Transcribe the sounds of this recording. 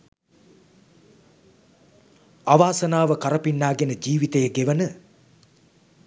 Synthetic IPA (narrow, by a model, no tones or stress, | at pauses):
aʋaːsɐnaːʋəkaɾɐpinːaːɡenəd͡ʒiːʋit̪əjəɡeʋənə